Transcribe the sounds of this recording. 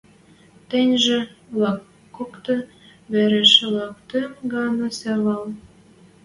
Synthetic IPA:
t̪ĕnʲʒĕlɑkː | okt̪ɤ̆ | βeɾeʃelɑkt̪ømɡɑnɑsæβɑl

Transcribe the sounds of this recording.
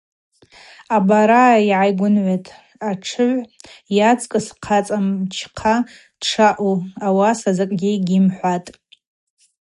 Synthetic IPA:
abaɾaiʕajɡʷʊnʕʷetʼ | aʈ͡ʂʰɨʕʷjat͡sʼkʼɨsqʰat͡sʼamt͡ʃʰqʰa | d̥ʈ͡ʂʰaʔuawasazakʼɡʲiɡʲɪmħʷatʼ

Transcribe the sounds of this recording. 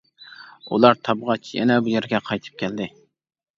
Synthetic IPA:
ṵlˠɑɾt̪ʰɑbʁɑt͡ʃʰjɛ̰nɛbujeɾɡʲɛqʰɑjt̪ʰɨ̥p̚kʲʰɛld̪ɪ

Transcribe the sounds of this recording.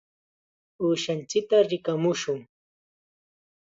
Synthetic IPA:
uːʃant͡ʃɪk̚t̪aɾɪkamʊʃʊŋ

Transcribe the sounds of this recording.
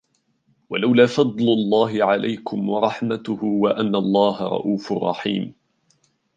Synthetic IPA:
walawlaːfɑd̪ˤlʊlˤːɑːɦɪʕalʔa̰jkʊmwɑɾˤɑħmat̪ʊhʊwaʔanːalˤːɑːɦaɾˤɑ̰ʔuːfʊrˤːɑ̰ħḭːm

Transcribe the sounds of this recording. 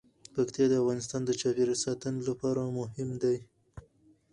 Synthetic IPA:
pakt̪jɑd̪əafɣɑnɪst̪ɑnd̪ət͡ʃɑpeɾsɑt̪ənlapɑɾamʊhɪmd̪aj

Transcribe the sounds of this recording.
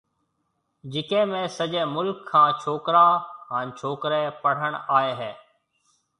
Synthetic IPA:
d͡ʒɪkẽːmẽːsəʄeːmʊlkʰːãːt͡ʃʰoːkɾaːɦəːnt͡ʃʰoːkɾeːpəɽ̤əɳaːeːɦeː

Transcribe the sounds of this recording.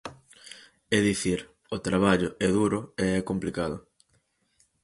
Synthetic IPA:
ɛðiθiɾ | ʊt̪ɾaβ̞aʎʊɛðuɾʊeɛkomplikaðʊ

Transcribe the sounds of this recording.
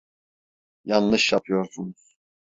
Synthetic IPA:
janlˠɯʃjapʰɯjo̞ɾsunuz̥

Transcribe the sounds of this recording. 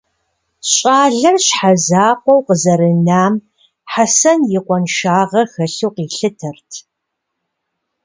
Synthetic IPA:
ɕʼaːɮɐrɕħazaːqʷɔwqəzɐɾɨnaːm | ħasɐnjɪqʷɔnʃaːʁɐxɐɬuwqiːɬɨtʰɐrtʰ

